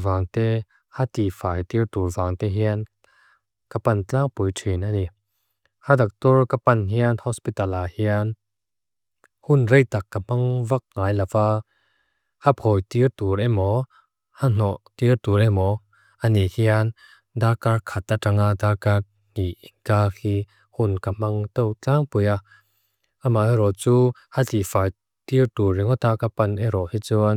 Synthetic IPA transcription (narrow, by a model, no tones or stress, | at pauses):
vaŋt̪ɛ | hat̪ifaːjt̪irt̪urvaŋt̪ɛɦian | kapantaŋpujtʰinani | hadak̚t̪ɔɹkapanɦianhɔspit̪alahian | hunrɛjt̪akːapaŋvak̚ŋaːjlafaː | hapʰɔjt̪irt̪uɾɛmɔ | han̥ɔʔt̪irt̪uɾɛmɔ | ʔanihian | d̪akarkʰat̪ːaʈ͡ʂaŋaʔd̪akar | n̥iʔinkaːkiː | hunkamaŋt̪ɔwt͡ɬaŋpuja | ʔamaɛɾɔt͡suːhatifaj | t̪irt̪urːiŋɔt̪akapanɛɾɔhit͡suan